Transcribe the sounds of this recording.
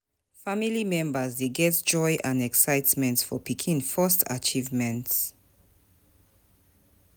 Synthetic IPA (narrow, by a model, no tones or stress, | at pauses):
familimɛ̃mbəzdeɡɛtd͡ʒɔɪʔãnɛksaɪtmɛ̃ntsfɔpʰikʰĩnfɔstʰa̰t͡ʃivmɛ̃nts